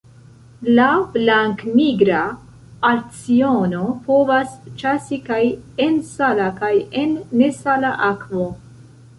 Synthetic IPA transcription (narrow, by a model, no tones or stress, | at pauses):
lablaŋkmiɡɾa | aɾt͡siono̞po̞vast͡ʃasikajensalakaje̞nːe̞salaʔakvo̞